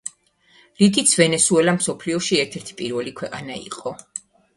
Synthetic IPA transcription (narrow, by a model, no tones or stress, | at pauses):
lid̪it̪sʰvɛnɛsuɛlamsɔpʰliɔʃiɛɾt̪ʰɛɾt̪ʰi̥pʼiɾvɛlikʰwɛqʼanaḭqʼɔ